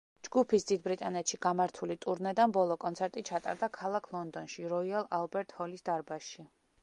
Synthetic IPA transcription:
d͡ʒɡupʰisd̪id̪bɾit̪ʼanɛt̪ʃiɡamaɾt̪ʰulit̪ʼuɾnɛd̪anbɔlˠɔkʼɔnt̪sʰɛɾt̪ʼit͡ʃʰat̪ʼa̰ɾd̪akʰalˠakʰlˠɔnd̪ɔnʃiɾɔialˠalˠbɛɾt̪ʼhɔlisd̪aɾbaʃi

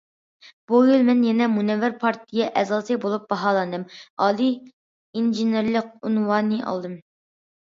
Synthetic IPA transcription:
b̥ujylˠmɛnjɛnɛmunɛvɪɾpʰɑɾt̪ʰijɛʔɛzɑsɨbolˠup̚bɑɦɑːlˠɑnd̪ɨmɑːlˠi | inʒineɾlˠɪq̚unwɑnɨʔɑ̰lˠd̪ɨm

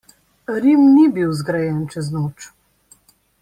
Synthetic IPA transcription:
ɾimnibiwzɡɾajɛːnt͡ʃɛznoːt͡ʃ

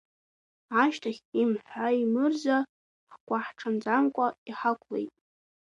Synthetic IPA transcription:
aʃtʰaχʲimħʷaimɨrza | χɡʷʼaħʈ͡ʂʰand͡zamkʷʼaiħakʷʰlḛjtʼ

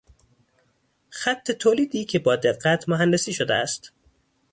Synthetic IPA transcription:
xæt̪ʰːe̞t̪ʰoːliːd̪iːcʰebɒːd̪e̞ɢːæt̪ʰmoɦænd̪esiːʃod̪ḛæ̰st̪

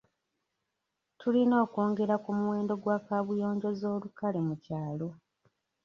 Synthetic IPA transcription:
tʰulino̞ːko̞ːŋɡe̞ɾakumuwe̞ːndo̞ɡwaːkaβujo̞ːɲɟo̞zo̞ːlukale̞mucaːlo̞

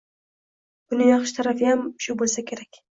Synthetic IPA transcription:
b̥ʊnɪjɑχʃɪ̥t̪ʰaɾafiamʃʊbolˠsakʲʰeɾakʲ

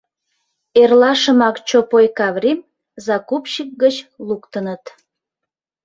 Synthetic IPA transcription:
erlɑʃəmɑkt͡ɕopojkɑβrʲim | zɑkupʃik̚ɡət͡ɕlukt̪ənət̪

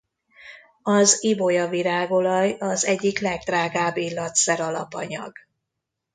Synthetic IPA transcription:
ɒzibo̞jɒviɾaːɡo̞lɒjɒzɛɟːiklɛɡ̚d̪raːɡaːbːilːɒt̪sɛɾɒlɒpɒɲɒ̰ɡ̥

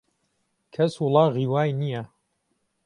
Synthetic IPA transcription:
kʰɐswʊlˠɑːɣiːwaːjnijɐ

